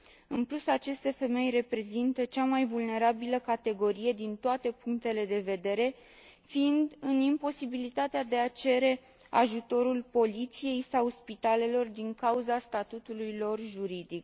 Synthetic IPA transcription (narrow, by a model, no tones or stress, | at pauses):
ɨnplusat͡ʃe̞st̪e̞fe̞me̞jre̞pɾe̞zint̪ət͡ʃamajvulne̞ɾabiləkat̪e̞ɡo̞ɾije̞d̪int̪oat̪e̞puŋk̚t̪e̞le̞d̪e̞ve̞d̪e̞ɾe̞ | find̪ɨnimpo̞sibilit̪at̪ead̪e̞at͡ʃe̞ɾe̞ | a̰ʒut̪o̞ɾulpo̞lit̪sije̞jsawspit̪ale̞lo̞rd̪iŋkauzast̪at̪ut̪ulujlo̞rʒuɾid̪ik